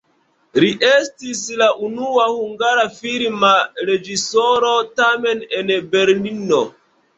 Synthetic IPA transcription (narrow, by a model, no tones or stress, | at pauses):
ɾiʔestislaʔunuahuŋɡaɾafiɾmaɾed͡ʒisoɾotamenenbeɾlino